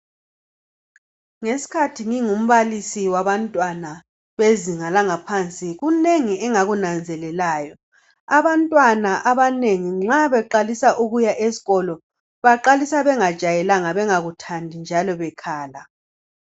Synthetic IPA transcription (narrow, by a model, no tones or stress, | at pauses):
ŋesi̥kʰatʰiŋiŋum̩βalisiwaβantʼwana | βeziŋalaŋapʰant͡sʼiɣuneŋiɛŋaɣunand͡zʱɛlɛlaːjɔ | aβantʼwanaʔaβaneŋiŋ͡ǁaβɛǃalisaʔuɣujaʔesi̥ɣɔlɔ | βaǃalisaβɛŋad̥ʒ̥ʱajɛlaŋaβɛŋaɣutʰandʱind͡ʒʱalɔβɛkʰaːla